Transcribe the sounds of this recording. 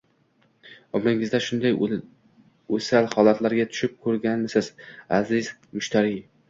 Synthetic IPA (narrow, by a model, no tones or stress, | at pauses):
ɒbɾɪŋɪzd̪aʃʊnd̪aj | ɵsalhɒlat̪laɾɡʲat̪ʰʊ̥ʃɪp̚kʰɵɾɡʲanɪsɪzazɪzmʊʃt̪ʰaɾi